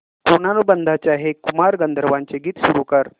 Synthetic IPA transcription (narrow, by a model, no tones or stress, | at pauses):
koñanobənd̪ʱat͡ɕjaɦekumaɾɡənd̪ʱəɾəʋaɲt͡ɕeɡiːt̪ɕuɾukəɾ